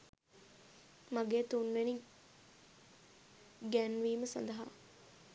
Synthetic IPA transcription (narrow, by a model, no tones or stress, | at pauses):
maɡeːt̪unʋeni | ɡænʋiːməsa̰nd̪əɦa̰